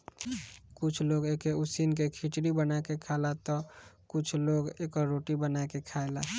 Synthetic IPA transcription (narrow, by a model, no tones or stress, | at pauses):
kʊt͡ʃʰloːɡekeʊsinkekʰit͡ʃɽibənakekʰalat̪ɔkʊt͡ʃʰloːɡekɔɾoːʈibənakekʰaela̰